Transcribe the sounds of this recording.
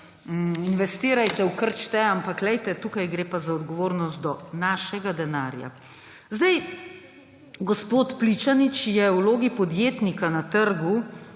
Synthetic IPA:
inʋɛst̪iːɾajt̪ɛwkəɾt͡ʃt̪ɛampaklɛjt̪ɛt̪uːkajɡɾeːpazaɔd̪ɡɔʋoːɾnɔst̪d̪ɔnaːʃɛɡad̪ɛnaːɾja̰ | zd̪ɛj | ɡɔspoːt̪plit͡ʃanit͡ʃjɛwloːɡipɔd̪jeːt̪nikanat̪əɾɡu

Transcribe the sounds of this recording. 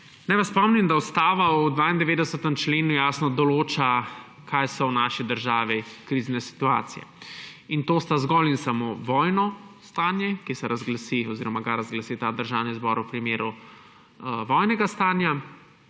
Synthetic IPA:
nɛjʋaspɔmnimd̪aɔst̪aːʋaud̪ʋaːind̪ɛʋeːd̪ɛsət̪əmt͡ʃleːnujaːsnɔd̪ɔloːt͡ʃa | kʰajsɔwnaːʃid̪əɾʒaːʋikɾiznɛsi̥t̪ua̰ːt̪sijɛ̰int̪oːst̪azɡɔlinsamoʋɔjnɔst̪aːnjɛkisɛɾʔazɡlasiɔziːɾɔmaɡaɾazɡlasit̪ad̪əɾʒaːwnizbɔɾwpɾimeːɾu | ʋɔjnɛɡast̪aːnja

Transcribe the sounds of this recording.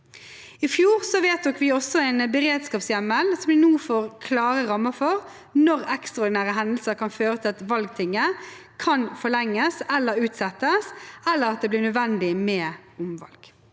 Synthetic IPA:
ɪfjuːʁsɔʋeːt̪̚d̪ɔkʋɪɔsːɔɛɪnbəɾeːd̪skɑːpsjæməlsɔmd̪ɪnuːfoːʁkʰlɑːʁəʁɑmːəfɔʁ | nɔʁɛkst̪ʁɑɔd̪ɪnæːʁəɦɛnd̪əlsəɾkʰɑnføːɾət̪ʰɪlɑt̪ʋɑlɡ̚t̪ʰɪŋːə | kʰɑnfɔɭɛŋːəsɛlːəɾʉːt̪sɛt̪ːəsɛlːəɾɑt̪̚d̪eːblɪːʁnœd̪ʋɛnd̪ɪmɛːʊmʋɑ̰lɡ̥

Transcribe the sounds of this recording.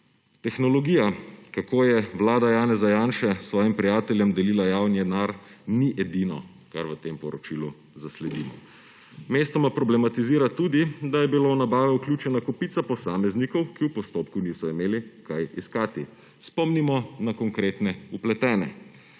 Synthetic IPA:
t̪ɛxnɔlɔɡiːjakakoːjɛʋlaːd̪ajaːnɛzajaːnʃɛsʋɔːjimpɾijaːt̪ɛljɛmd̪ɛliːlajaːwnjɛnaɾ | niʔɛd̪inɔ̰ | kaɾʋət̪empɔɾɔt͡ʃilu | zaslɛd̪iːmɔ̰ | meːst̪ɔmapɾɔblɛmat̪iziːɾat̪ud̪id̪ajɛbilownabaːʋɛuklʲjut͡ʃɛnakɔpiːt̪sapɔsaːmɛznikɔwkiwpɔst̪opkuniːsɔimeːlikajiskaːt̪i | spɔmnimɔnakɔŋkɾeːt̪nɛuplɛt̪ɛːnɛ̰

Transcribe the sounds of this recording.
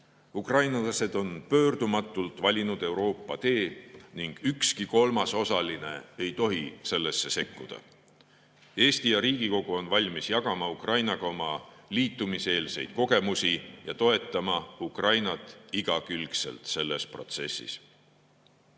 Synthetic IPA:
ukrɑjnɑlɑse̞d̪̥o̞npø̞ːrd̪̥umɑt̪ːˑult̪vɑlʲinud̪̥e̞uwɾo̞ːpːˑɑt̪e̞ːniŋɡ̥ykskiko̞lmɑso̞sɑline̞̰e̞jt̪o̞ɦise̞lːe̞sːe̞se̞kːud̪̥ɑ̰ | e̞ːst̪ijɑɾiːɡ̥iko̞ɡ̥uo̞nvɑlʲmisjɑkɑmɑukrɑjnɑɡ̥ɑo̞mɑliːt̪ːˑumise̞ːlse̞jd̪̥̚ko̞ɡe̞musijɑt̪o̞e̞t̪ːˑɑmɑukrɑjnɑt̪ːˑiɡ̥ɑkylkse̞̰lt̪se̞lːe̞spro̞̰t̪se̞̰sːḭs

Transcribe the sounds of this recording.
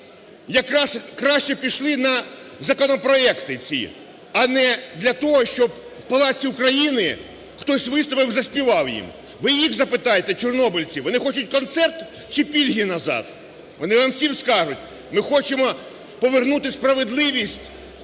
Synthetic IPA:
jɐkɾɑskɾaʃt͡ʃɛpʲiʃlˠɪnɐzɐkɔnɔpɾɔɛkt̪ɪt͡sʲḭ | ɐnɛd̪lʲɐt̪ɔɦɔʃt͡ʃɔb | wpɐlˠɑt͡sʲiʊkɾɐjinɪ | xt̪ɔsʲʋɪst̪ɔpɪwzɐsʲpʲiʋɑwjḭm | ʋɪjixzɐpɪt̪ɑjet̪ɛt͡ʃɔrnɔbɪlʲt͡sʲiʋɔnɪxɔt͡ʃʊtʲkɔnt̪sɛrt̪ | t͡ʃɪpʲilʲɦʲinɐzɑ̰d̪̥ | ʋɔnɪʋamsʲimskɑʒʊtʲ | mɪxɔt͡ʃɪmɔ | pɔʋernut̪ɪspɾɐʋed̪lˠɪʋʲisʲtʲ

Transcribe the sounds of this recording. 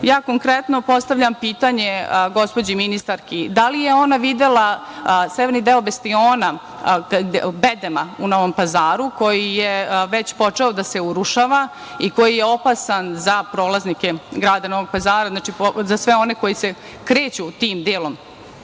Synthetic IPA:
jaːkoŋkɾet̪nopo̞st̪aʋʎʲampiːt̪aɲeɡo̞spod͡ʑiminist̪aɾkid̪alijeo̞naʋid̪ela | seʋeɾnid̪eobest̪ioːna | bed̪emauno̞ʋo̞mpazaːɾuko̞jijeʋe̞t͡ɕpo̞t͡ʂeod̪ase̞uɾuʃaʋa | iko̞jijeo̞pasanzapɾo̞ːlˠaznikeɡɾaːd̪ano̞ʋoɡ̚pazaːɾaznaːt͡ʃipozasʋeo̞ne̞ko̞jise | kɾeːt͡ɕut̪iːmd̪eːlˠom

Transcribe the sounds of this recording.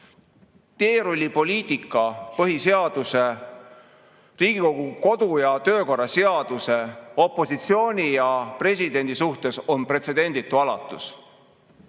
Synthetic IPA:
t̪e̞ːɾulʲipo̞lʲiːt̪ˑikːˑɑpɤɦise̞ɑd̪̥use̞ | riːɡ̥iko̞ɡ̥uko̞d̪̥ujɑt̪ø̞ːko̞rːɑse̞ɑd̪̥use̞o̞pːˑo̞sit̪sio̞ːnʲijɑpre̞s̬ʲid̪̥e̞nʲd̪̥isuht̪e̞so̞npre̞t̪se̞d̪e̞nʲd̪̥it̪ːˑuɑlɑt̪ˑːus

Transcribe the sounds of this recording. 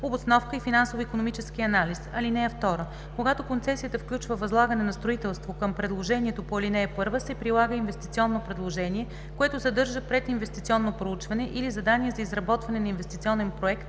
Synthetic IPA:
obosnɔfkəifinansovfikonomit͡ʃɛskiɐnalisɐlinɛɛft̪ɔɾə | koɡat̪okont̪sɛsijət̪əfklʲut͡ʃvəvɐzlˠaɡɐnɛnɐst̪ɾoit̪ɛlˠst̪vokəmpɾɛd̪lˠoʒɛnʲiɛt̪opoɐlʲinɛːpɤɾvəsɛpɾilˠaɡəinvɛst̪it̪siɔnːopɾɛd̪lˠoʒɛnʲiɛ | koɛt̪ʊzɐd̪ɤɾʒəpɾɛt̪invɛst̪it̪siɔnːopɾout͡ʃvɐnɛʔilizɐd̪aniɛzɐizɾɐbɔt̪vɐnɛnɐinvɛst̪it̪siɔnɛnpɾoɛkt̪

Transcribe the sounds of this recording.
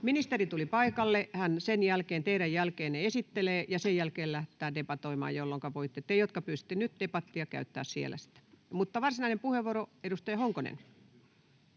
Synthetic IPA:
minist̪erit̪ulipɑikɑlːehænsenjælkeːnt̪eiɾæjjælkeːnneesit̪ːeleːjɑsejjælkeːllæht̪ːˑæːdepɑt̪oimɑ̰ːjjolːoŋkɑʋoit̪ːet̪ːejot̪kɑpyːst̪ːenyt̪d̥epɑt̪ːiɑkæ̰yt̪ːæ̰ːssiḛlæ̰si̥t̪æ̥mut̪ːɑʋɑrsinɑinempuheʋːoroedust̪ɑjɑhoŋkonḛn

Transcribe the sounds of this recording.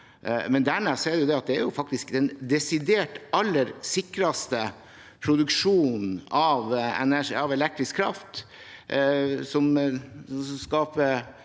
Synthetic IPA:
mɛnd̪æɾmɛːseːɖɛjʊd̪ɛɑt̪̚d̪ɛæɾjʊfɑk̚t̪ɪskd̪ɛnd̪ɛsɪd̪eːʈɑlːəɾsɪkɾɑst̪ə | pʰɾʊd̪ʉkʂuːnn̩ɑʋɛ̰næʂɑʋɛlɛk̚t̪ɾɪskʰːɾɑ̰ft̪ | sɔm | sɔskɑːpə

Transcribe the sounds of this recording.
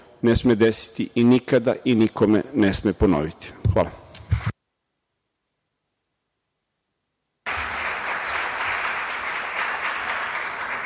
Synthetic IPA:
nesmed̪esi̥t̪iʔinikad̪a̰ʔinikʰomḛnesmepono̰ʋit̪i̥xʋa̰ːla

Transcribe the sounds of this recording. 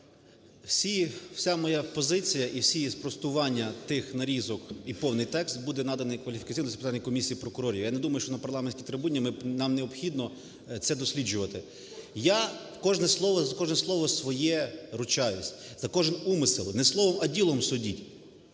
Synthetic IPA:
wsʲiw̥sʲamɔjapɔzɪt͡sʲijɐʔiwsʲijspɾɔst̪ʊʋɑnʲːɐt̪ɪxnɐɾʲizɔkipɔwnɪjt̪ɛkst̪bud̪ɛnɑd̪ɐnɪjkʋɐlʲifʲi̥kɐt͡sʲijnɔspɪt̪anʲːɐjkɔmʲisʲijːpɾɔkʊɾɔɾʲiʋijanɛd̪umɐjʊʃt͡ʃɔnɐpɐrlˠɑmenʲsʲkʲit̪ɾɪbudʲːimɪnɑmneɔpxʲid̪nɔ | t̪sɛd̪ɔsʲlʲid͡ʒʊʋɐt̪ɪ | ja | kɔʒnɛslˠɔʋɔzɐkɔʒnɛslˠɔʋɔsʋɔjɛɾʊt͡ʃɑjʊsʲz̥ɐkɔʒɪnumɪsɪlˠɪnɛslˠɔʋɔmɐdʲilˠɔmsʊdʲitʲ

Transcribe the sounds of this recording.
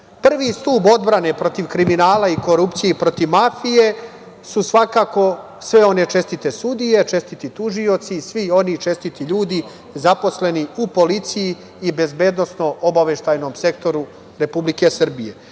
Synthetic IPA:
pr̩ʋist̪uːbo̞d̪bɾane̞pɾo̞t̪iʋkɾiminaːlaiko̞ɾupt̪sijepɾo̞t̪iʋmafije̞ | susʋakaːko̞ | sʋe̞o̞ne̞t͡ʃe̞st̪it̪e̞sud̪ije̞t͡ʃe̞st̪it̪it̪uʒio̞t̪sisʋio̞nit͡ʃe̞st̪it̪iʎuːd̪i | zapo̞sle̞niupo̞lit̪sijiː | be̞zbe̞ːd̪nosno̞ʔobaʋe̞ʃt̪ajno̞mse̞kt̪o̞ɾu | ɾe̞publike̞sr̩bije̞

